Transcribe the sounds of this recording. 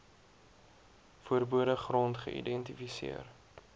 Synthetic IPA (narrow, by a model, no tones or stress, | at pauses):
fuəɾbuəɾəχrɔntχə̰ʔḭdɛntifisḭər